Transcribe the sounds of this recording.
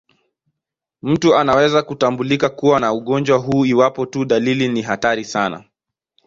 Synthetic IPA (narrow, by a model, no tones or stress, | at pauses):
m̩tuanawɛzakutambulikakuwanauɠɔnd͡ʒwaɦuːiwapɔtuɗaliliniɦataɾisana̰